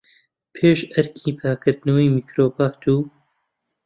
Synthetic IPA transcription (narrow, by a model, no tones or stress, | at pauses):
pʰeːʃɐɾkʰiːpʰaːkʰɨɾd̪nɐwijmiːkɾoːbaːt̪ʰuː